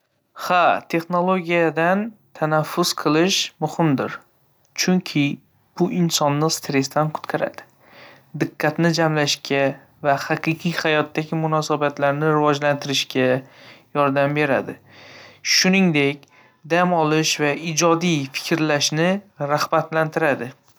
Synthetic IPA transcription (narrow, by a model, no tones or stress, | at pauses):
hat̪ʰe̞χno̞lˠoɡʲijad̪ant̪ʰanafːʊz̥qʰɨlˠɪʃmʊhɪmd̪ɪɾ | t͡ʃʰʊŋkʲʰɪ | b̥ʊʔɪnsɒnːɪst̪ɾe̞st̪ʰanqʰʊ̥t̪qʰɑɾa̰d̪̥ɪ̥ | d̪ɨqʰːɑt̪nɪd͡ʒamlaʃkʲʰa | vahɑqʰɨqʰɨjhajɒt̪ːaɡʲɪmʊnɒsabat̪laɾnɪɾɪvɒd͡ʒlant̪ʰɪɾɪʃkʲʰajɒɾd̪ambe̞ɾa̰d̪ɪ | ʃʊnɪŋd̪e̞kʲ | d̪amɒlˠɪʃvaɪd͡ʒɒd̪ijfɪ̥kʲʰɾlaʃnɪɾahbat̪lant̪ɪɾad̪ɪ